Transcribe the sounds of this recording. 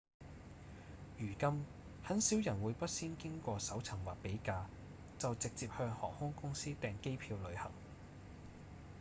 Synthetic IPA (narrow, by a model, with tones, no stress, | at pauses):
jyː˨˩kɐ˥m | hɐ˨˥nsiː˨˥wjɐ˨˩nwuː˨˧jpɐ˥t̚siː˥nkɪ˥ŋkʷɔː˧sɐ˨˥wt͡sʰɐ˨˩ŋwaː˨k̚pe˨˥jkaː˧ | t͡sɐ˨wt͡sɪ˨k̚t͡siː˧p̚hœː˧ŋhɔ̰ː˨˩ŋhʊ˥ŋkʊ˥ŋsiː˥t̪ɛː˨ŋke˥jpʰiː˧wlɵ˨˧ɥhɐ̰˨˩ŋ